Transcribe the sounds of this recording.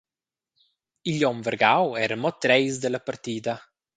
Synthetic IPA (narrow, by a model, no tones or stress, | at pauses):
iʎɔmvəɾɡawɛɾəmɔt̪ːɾɛjsd̪əlapaɾt̪iːd̪a